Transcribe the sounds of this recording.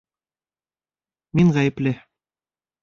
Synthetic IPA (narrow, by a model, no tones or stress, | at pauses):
miŋʁæjɘ̆plɘ